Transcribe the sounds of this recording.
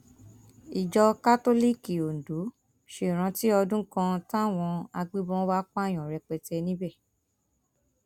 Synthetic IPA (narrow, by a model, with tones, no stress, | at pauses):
i˨d͡ʒɔ˧ka˦to˦li˦ki˨o˨n̩˨du˨˦ | ʃe˦˨ɾ̃ã˧ti˦ɔ˧dũ˦kã˧tã˦˨w̃ɔ̃˧a˧ɡ͡bi˦bɔ̃˦wa˦kj̃ɔ̃˨ɾɛ˧k͡pɛ˧tɛ˧nĩ˦bɛ˦˨